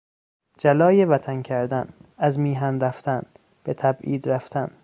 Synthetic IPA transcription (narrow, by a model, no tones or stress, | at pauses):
d͡ʒælɒːjevæt̪ʰæncʰæɾd̪ænæzmiːɦænɾæft̪ʰæn | b̥et̪ʰæbʔiːd̪ɾæft̪ʰæn